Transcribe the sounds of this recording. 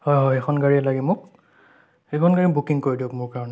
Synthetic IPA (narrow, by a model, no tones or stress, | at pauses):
hɔjɦɔjekʰɔnɡaɹiɛlaɡɛmʊk̚ | ekʰɔnɡaɹibukiŋkoɹidiʊkmʊɹkaɹɔnɛ